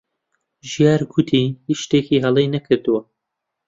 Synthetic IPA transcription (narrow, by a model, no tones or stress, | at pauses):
ʒijɑːɾɡʊt̪ʰihiʃt̪eːkiːɦɐlˠejnɐkʰɨɾd̪uwɐ